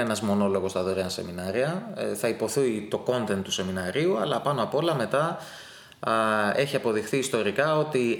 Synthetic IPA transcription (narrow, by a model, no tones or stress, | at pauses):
enɐzmo̞no̞lo̞ɣost̪ɐðoɾeɐnse̞minɐɾiɐθɐipo̞θuit̪o̞ko̞nt̪ent̪ːu̥se̞minɐɾiuɐlɐpɐno̞ɐpo̞lɐme̞t̪ɐ | e̞çiɐpo̞ðixθiːst̪o̞ɾikɐo̞t̪i